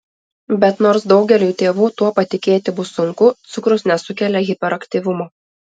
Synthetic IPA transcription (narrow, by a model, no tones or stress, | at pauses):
bʲɛt̪noːɾsd̪ɒʊɡʲɛlʲuːjt̪ʲeːʋuːt̪uɔpɐt̪ʲɪkʲeːt̪ʲɪbʊsʊŋkʊt̪sʊkɾʊsnʲɛsʊkʲɛlʲɛɣʲɪpʲɛɾɐkʲt̪ʲiːʋʲʊmoː